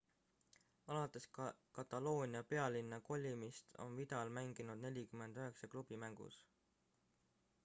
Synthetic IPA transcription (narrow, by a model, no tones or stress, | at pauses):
ɑlɑt̪ːˑe̞skɑt̪ːˑɑlo̞ːnʲiɑpe̞ɑlinːɑko̞lʲːimist̪o̞̰nvid̪̥ɑlmæŋɡ̥inud̪̥ne̞lʲikyme̞nd̪̥øɦe̞ksɑklub̥imæŋɡ̥ṵs